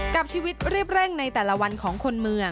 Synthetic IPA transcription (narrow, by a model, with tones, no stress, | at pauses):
ka˨˩p̚t͡ɕʰiː˧wi˦˥t̪̚ɾi˥˩əp̚ɾe˥˩ŋna˧jt̪ɛː˨˩la˧wa˧nkʰɔː˩˦ŋkʰo˧nmɯ˧əŋ